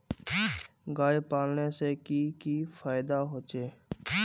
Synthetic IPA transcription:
ɡaːepaːlnesekikifʰaːɪd̪aɦoːt͡ʃeː

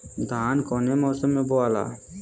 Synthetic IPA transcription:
d̪ʱaːnkɔːnemɔːsəmːẽboaːla̰ː

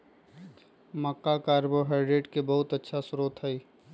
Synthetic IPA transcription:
mɐkːakaːɾboɦeːɾɖeːʈkebɐɦʊt̪ətːʃʰasʊɾoːt̪ʰɦəi

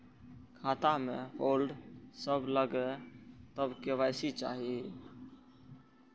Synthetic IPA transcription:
kʰaːt̪ameholɖsəbləɡet̪əbkeʋajsit͡ʃa̰ɦi

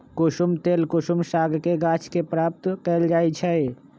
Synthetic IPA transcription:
kʊʃumt̪eːlkʊʃumsaːɡʱkeɡaːt͡ʃʰkepɾaːp̚t̪kəld͡ʒaːit͡ʃʰɛ

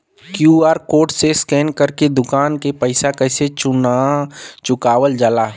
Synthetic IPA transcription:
kjuaːɾkoːʈseskɛːnkəɾked̪ʊkaːnkepəɪsakəɪset͡ʃʊnat͡ʃʊkaːʋəld͡ʒaːlaɦ

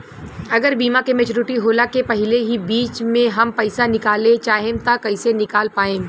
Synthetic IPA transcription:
ɐɡəɾbiːmãkemeːt͡ʃoːɾɪʈiɦoːlakepɐɦɪleɦibiːt͡ʃmẽɦɐmpɐɪsanɪkaːlẽt͡ʃaːɦẽmt̪akɐɪsenɪkaːlpaːẽː

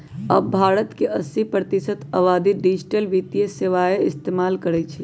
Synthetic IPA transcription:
ə̰bːʱaɾət̪keʔəsipɾət̪isət̪əʋad̪iɖid͡ʒʈəlʋit̪ijeseʋaeist̪emalkəɾɛt͡ʃʰɛ

